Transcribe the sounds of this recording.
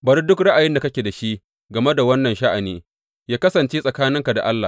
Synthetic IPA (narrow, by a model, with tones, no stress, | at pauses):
bɐ˨ɾi˦dʊ˦kɾɐ˦ʔa˨jɪ˦nda˨kɐ˦kʲe˨da˨ʃi˦ʔ | ɡɐ˨me˦da˨wɐ˦nːɐ˨nʃa˦ʔa˨niː˦ | jaː˦kɐ˦sɐ˨nt͡ʃeː˦sʼɐ˨kaː˦nɪ˦ŋka˨da̰˨ʔa˦lːa˨